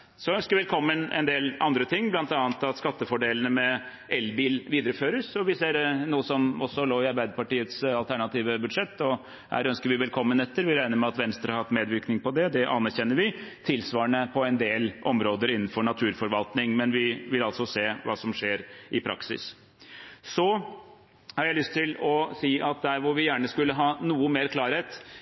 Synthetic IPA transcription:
sɔœnskəɾʋɛlkʰɔmːənɛ̰nd̪eːlɑnd̪ɾət̪ʰɪŋːblɑnt̪ɑːnt̪ɑt̪skɑt̪ːəfɔɖeːlənəmɛ | ɛlbiːlʋiːd̪əɾəføːɾəsɔʋɪseːɾnuːəsɔmɔsːɔloːɪɑɾbæɪd̪əpɑʈiːət̪sɑlt̪æɳɑt̪iːʋəbʉd̪ʂɛt̪ːɔ | hæ̰ːɾœnskəɾʋɪʋɛlkʰɔmːənɛt̪ːəɾʋɪɾæɪnəɾmɛɑt̪ʋɛnst̪ɾəɑɾhɑt̪ːmeːd̪ʋɪɾknɪŋpɔd̪ɛd̪ɛʔɑnæɾçɛnːəɾʋɪt̪ʰɪlsʋɑːəɳəpʰɔɛnd̪eːlʔɔmɾoːd̪əɾɪnn̩fɔɳɑt̪ʰʉːɾfɔɾʋɑlt̪nɪŋmɛnʋɪʋɪlɑlt̪sɔseːʋɑ̰ːsɔmʂeːɾʔɪpʰɾʔɑ̰ksɪ̰s | sɔ | hɑɾjæɪlʏst̪ʰːɪlɔsiːʔɑt̪̚d̪æːɾʋʊɾʋɪjæːɳəskʉlːəɦɑːnuːəmeːɾkʰlɑːɾheːt̪

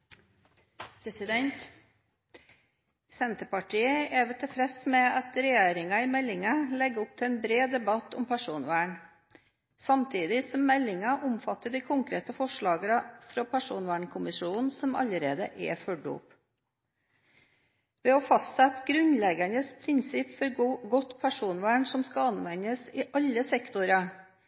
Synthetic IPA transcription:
pʰɾɛsɪd̪ɛnt̪ | sɛnt̪əpɑʈʰiːəɛʋɪt̪ʰɪlfɾɛsmɛɑt̪ɾɛjeːɾɪŋɑɪmɛlːɪŋɑlɛɡəʊp̚t̪ʰɪɛnbɾeːd̪ɛbɑt̪ɔmpʰæʂuːnʋæːɳ | sɑmt̪ʰiːd̪ɪsɔmːɛlːɪŋɑʔʊmfɑt̪ːəɖ̪iɪkʰʊŋkɾeːt̪əfɔʂɭɑːɡəɾɑfɾɑpʰæʂuːnʋæːɳkʰʊmɪʃuːn̩sɔmɑ̰ləɾeːd̪ə̰ʔɛ̰fɔɖṵːp | ʋɛɔfɑst̪sɛt̪ɡɾʉnlɛɡɑnəspʰɾɪnsɪpfɔɾɡɔt̪pʰæʂuːnʋæːɳsɔmskɑɑnʋɛɲəsɪʔɑlːəsɛkt̪ʊɾɑ

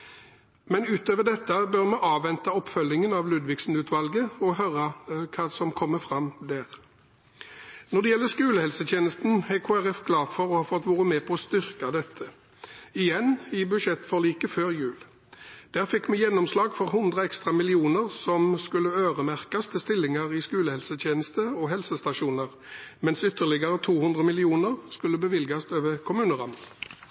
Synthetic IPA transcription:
mɛnʉːt̪øːʋəʁd̪ɛt̪ːəbœʁmɛʔɑːʋɛnt̪ɑɔpːfœlːɪŋənɑʋlʉːd̪ʋɪksn̩ʉːt̪ʰʋɑlɡəɔɦøɾɑkʰɑːsɔmkʰɔmːəfʁɑmd̪æːʁ | nɔʁd̪ɛjɛlːəskʉːləhɛlsət̪ʰjeːnəst̪n̩ɛkʰoːæʁɛfkʰlɑːfɔʁɔhɑfɔt̪ːʋuːʁəmeːpʰɔɔst̪ʏʁkɑd̪ɛt̪ʰːə | ɪjɛnːɪbʉʃɛt̪ːfɔʁliːkəføːʁjʉːl | d̪̥æːʁfɪkmɛjɛnɔmslɑːɡfɔʁhʊnd̪ʁəɛkst̪ʁɑmɪlɪuːnəʁsɔmskʉlːəøːʁəmæʁkɑst̪ʰəst̪ɪlːɪŋəʁɪskʉːləhɛlsət̪ʰjeːnəst̪əɔɦɛlsəst̪ɑʃuːnəʁ | mɛnsʏt̪əʁlɪɡəʁət̪ʰuːhʉnd̪ʁəmɪlɪuːnəʁskʉlːəbəʋɪlɡɑst̪øːʋəkʰʊmʉːnəʁɑməl

